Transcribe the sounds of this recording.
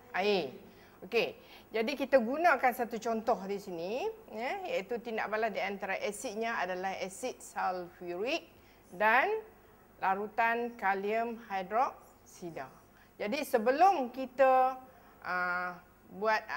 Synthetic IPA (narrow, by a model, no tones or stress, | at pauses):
ʔae | oke | d͡ʒadikit̪aɡunãkansat̪ut͡ʃɔnt̪ɔhdisinijəjait̪ut̪inda̰ʔ̚balasdiant̪aɾaʔɛsiʔ̪̚ɲãadalahɛsit̪̚salfiɾik̚ | dan | laɾut̪ankaliəmhajdɾɔʔ̚ | sida | d͡ʒadisəbəlʊmkit̪ə | ʔə | buat̪̚